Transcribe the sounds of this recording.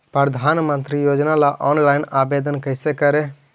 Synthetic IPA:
pɾəd̪ʱanmənt̪ɾijod͡ʒnalaʔɔnlaɪnabed̪ənkəɪsekəɾe

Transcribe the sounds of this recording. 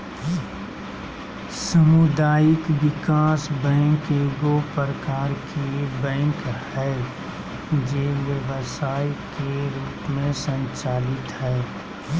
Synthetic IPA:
səmʊd̪aːjɪkʋɪkaːsbɛ̃ːŋkeɡopəɾəkaːɾkʰebɛ̃ːŋkhɛ | d͡ʒeʋjəʋsaːikeɾuːpmẽsə̃nt͡ʃaːlɪt̪ɦɛː

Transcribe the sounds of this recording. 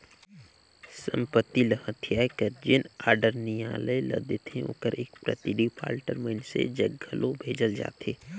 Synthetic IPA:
sə̰̃mpət̪ːiləɦə̃t̪ʰijaːkəɾd͡ʒɪnaːɾɖəɾnijaːləelɐd̪et̪ʰẽo̰ːkəɾʔeːkpɾə̰t̪ɪɖipa̰ːlʈəɾmə̃nsḛd͡ʒəɡʱːəlʔobʱeːd͡ʒəld͡ʒa̰ːt̪eː

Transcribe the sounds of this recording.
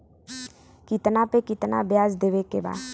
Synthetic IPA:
kɪt̪napekɪt̪na̰bjaːzd̪eːʋekeba̰ːd̪

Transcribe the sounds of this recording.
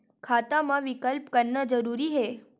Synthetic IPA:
kʰat̪amãʋɪkəlpkəɾnəd͡ʒəɾuɾiɦe

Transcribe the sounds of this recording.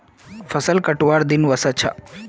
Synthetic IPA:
fʰəsəlkəʈʋaɾd̪inʋəsət͡ʃʰa̰

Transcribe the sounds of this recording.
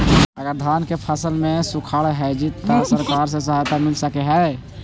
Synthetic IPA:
əɡəɾd̪ʱankepʰəsəlmẽsukʰaɭɦɛd͡ʒit̪ːasəɾkaːɾs̬es̬əɦajt̪amɪlsəkeɦɛ

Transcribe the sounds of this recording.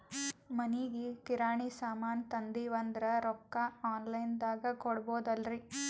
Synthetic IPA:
mɐniɡikiɾaːɳisaːmaːnt̪ɐnd̪iʋɐnd̪ɾɐɾɔkːaaːnlɐjnd̪aːɡɐkɔɽboːd̪ɐlɾi

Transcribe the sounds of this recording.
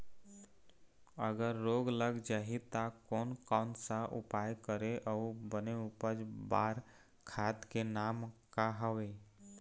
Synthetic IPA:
əɡəɾːoːɡləɡd͡ʒaːɦit̪akɔːnkɔːnsaʔʊpaːjkəɾeʔɔbəneʊpəd͡ʒbaːɾ | kʰaːt̪kenaːmkaɦəʋeː

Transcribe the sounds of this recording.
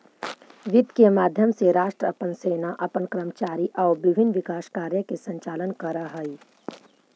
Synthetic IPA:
ʋɪd̪kemaːd̪ʱjəmseɾaːʃʈɾəpənseːnaʔɐpənkɾəmt͡ʃaːɾiʔɐːbɪbʱɪnːʋɪkaːʃkaːɾjəkesɐ̃ɲt͡ʃaːlənkɐɾəɦəi

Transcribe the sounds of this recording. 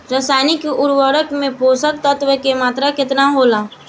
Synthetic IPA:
ɾəsaːnikiʔʊɾwəɾəkmẽpoːsək̚t̪ət̪ʋəkemaːt̪ɾakɪt̪naɦoːlaː

